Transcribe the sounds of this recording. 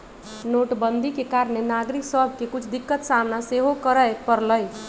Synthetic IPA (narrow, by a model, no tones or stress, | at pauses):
noʈbənd̪ʱikekaɾnenaɡɾiksʌɦb̚kekut͡ʃʰd̪ikːət̪samnaseɦokʌɾəjpʌɾləj